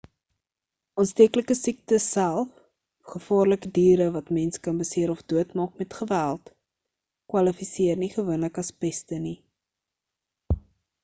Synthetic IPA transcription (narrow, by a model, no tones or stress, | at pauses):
ɔnstiəkləkəsik̚təssælˠf | χəfɑːrləkədiːɾəvɐtmɛnskɐnbəsiəɾɔfduətmɑːkmɛtχəvælˠt | kwɐlifisiərniχəvuənləkɐspɛstəni